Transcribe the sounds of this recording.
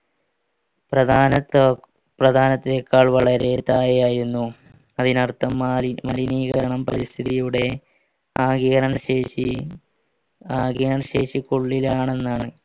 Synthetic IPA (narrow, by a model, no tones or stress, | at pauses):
prɐd̪ʱaːnɐ | prɐd̪ʱaːnɐt̪ːekːaːɭʋɐɭɐɾe̞ːt̪ːaːjejaːjiɾunːu | ɐðinɐrt̪ːɐmmɐ̰liniːɣɐɾɐɳɐmpɐɾist̪ʰiðijuɽe̞ | aːɡiːɣɐɾɐɳɐɕeːɕi | aːɡiɐɾɐɳɐɕe̞ːʂikoɭːilaːɳe̞nːaːɳɨ